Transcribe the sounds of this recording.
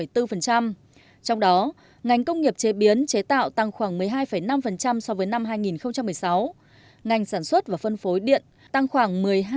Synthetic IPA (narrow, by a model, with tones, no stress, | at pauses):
ə˩jt̪ɨ˧fə˨˩nt͡ɕa˧m | t͡ɕɔ˧wŋ͡mɗɔ˨˦ | ŋa˨˩jŋ̟kə˧wŋ͡mŋi˨˩əp̚t͡ɕe˨˦ɓi˨˦ənt͡ɕe˨˦t̪a̰ː˧˨wt̪a˧ŋxwaː˧˩ŋmɨ˨˩əjɦaː˧jfə˧˩jna˧mfə˨˩nt͡ɕa˧msɔ˧vəː˨˦jna˧mɦaː˧jŋi˨˩nxə˧wŋ͡mt͡ɕa˧mːɨ˨˩əjsa˨˦w | ŋa˨˩jŋ̟saː˧˩nswə˦˥t̚vaː˨˩fə˧nfo˨˦jɗḭ˧˨ən | t̪a˧ŋxwaː˧˩ŋmɨ˨˩əj